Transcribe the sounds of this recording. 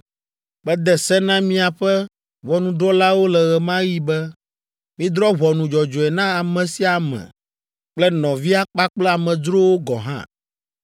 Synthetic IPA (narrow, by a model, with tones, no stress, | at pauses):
bɛ˦d̪ɛ˦sɛ˦nã˦mĩ˦a˨ɸɛ˦ | βɔ˨nũ˨ɖɔ˦la˦wo˦lɛ˨ɣɛ˨mã˦ji˦bɛ˦ | mĩ˦d̪ɾɔ˦βɔ˨nũ˨d͡ʒɔ˨d͡ʒɔ˨ɛ˨nã˦a˨mɛ̃˨si˦a˨mɛ̰̃˨ | k͡plɛ˦nɔ̃˨vi˦a˦k͡pa˦k͡plɛ˦a˨mɛ̃˨d͡ʒɾo˦wo˦ɡɔ̰˨ɦã̰˦